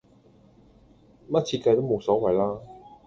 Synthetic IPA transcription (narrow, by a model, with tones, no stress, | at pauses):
mɐ˥t̚t͡sʰiː˧t̚ka˧jt̪wmo˨˧wsɔː˨˥wɐ˨jlaː˥